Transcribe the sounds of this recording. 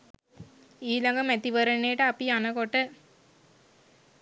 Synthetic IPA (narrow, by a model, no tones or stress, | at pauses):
iːlɐŋɡɐmæt̪iʋɐɾənejʈəapianɐkoʈːə